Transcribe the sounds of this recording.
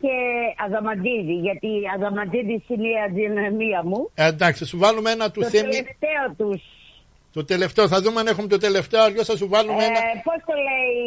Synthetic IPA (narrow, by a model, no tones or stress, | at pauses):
ceɐðɐmɐd̪iðiʝɐt̪iɐðɐmɐd̪iðisiniɐðinɐmiɐmuend̪ɐksisuvɐlumeenɐt̪uoθemlieft̪eot̪us | t̪ot̪e̞le̞ft̪eoθɐðumeɐnexumet̪ot̪e̞le̞ft̪eoɐɾʝosɐsuvɐlumeenɐpost̪olei